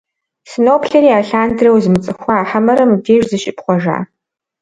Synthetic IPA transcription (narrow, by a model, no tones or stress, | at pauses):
sɨnoːpʰɬɐɾiaːɬaːndrɐwzɨmɨt͡sʼɨxʷaːħamɐɾɐmɨdeːʒzɨʃɪpχʷɔʒa̰ː